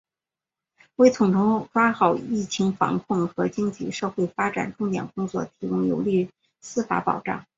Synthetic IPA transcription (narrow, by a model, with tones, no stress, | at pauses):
we˥˩ɪt͡sʰʊ˨˩ŋʈ͡ʂʰʊ˥ŋʈ͡ʂwa˥xɑ˨˩ʊi˥˩t͡ɕʰi˧˥ŋfɑ̰˧˥ŋkʰʊ˥˩ŋxɤ˧˥t͡ɕi˥ŋt͡ɕi˥˩ʂɤ˥˧xwe˥˩ɪfa˥ʈ͡ʂa̰˨˩nʈ͡ʂʊ˥˩ŋt̪jɛ̰˨˩nkʊ˥ŋt͡swɔ̰˥˩t̪ʰi˧˥kʊ˥˩ŋjo̰˧˥ʊli˥˩ | sɹ̩˥fa̰˧˥pɑ̰˨˩ʊʈ͡ʂɑ̰˥˩ŋ